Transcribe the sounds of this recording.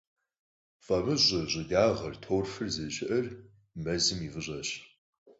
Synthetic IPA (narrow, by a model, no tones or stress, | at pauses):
fʼɐmɨʑɪʑʷʼɨdaːʁɐrtʰoːrfɨrzɨʒɪʔɐr | mɐzɨmivɨʑʷʼɐɕ